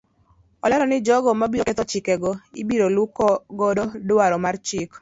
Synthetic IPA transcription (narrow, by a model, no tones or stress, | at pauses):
ɔlɛɾɔnɪd͡ʒɔɡɔmabioket̪ɔt͡ʃɪkɛɡɔḭbiɾolukɔɡɔdodʊaɾɔmart͡ʃɪk